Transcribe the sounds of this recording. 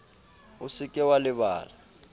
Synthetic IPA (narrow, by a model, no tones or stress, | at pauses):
ʊsɪkʼɛwalɪβa̰ːla